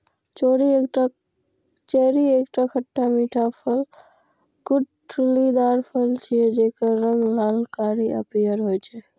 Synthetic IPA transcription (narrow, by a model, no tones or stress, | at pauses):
t͡ʃoːɾiekʈ | t͡ʃɛːɾieːkʈakʰəʈːamiːʈʰapʰəl | kʊɖ | ʈulid̪aːɾpʰəlt͡ʃʰijed͡ʒekəɾə̃ŋɡlaːlkaːɾiə̰pijəɾɦojt͡ʃʰɛ